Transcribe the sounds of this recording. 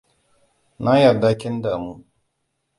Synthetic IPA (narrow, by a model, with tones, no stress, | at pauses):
na˦jɐ˨da˦kʲɪ˦ndaː˨muː˦